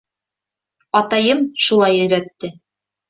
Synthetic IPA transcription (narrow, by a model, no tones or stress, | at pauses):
ɑt̪ɑjɤmʃulˠɑjɵ̆jɾæt̪ːɘ